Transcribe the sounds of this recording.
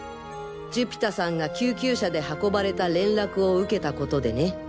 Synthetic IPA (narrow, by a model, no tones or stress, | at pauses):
d͡ʑɨpʲi̥t̪asãŋɡakʲɨːkʲɨːɕad̪e̞hako̞baɾe̞t̪aɾẽ̞nɾakɯ̟o̞ɯ̟ke̞t̪ako̞t̪o̞d̪e̞ne̞